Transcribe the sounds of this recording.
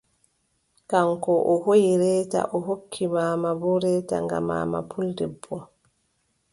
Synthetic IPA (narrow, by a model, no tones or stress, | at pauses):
kamkɔʔɔhojiɾɛːta̰ʔɔɦokʰːimaːmabɔɾɛːta̰ŋɡa̰ma̰ːma̰pʰuldɛbːɔ